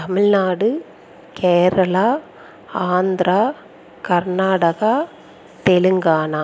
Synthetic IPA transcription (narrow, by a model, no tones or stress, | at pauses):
tɐmɪɻnaːɽɯ | kʰeːɾɐlaː | aːnd̪ɾaː | kɐɾnaːɽɐɣaː | t̪ɛlɯŋɡaːnaː